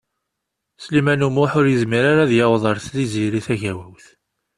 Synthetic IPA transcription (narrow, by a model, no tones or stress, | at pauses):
slimænumʊħʊɾjəzmiɾaɾaðjɑwðˤɑɾθliziɾiθæʝæwəwθ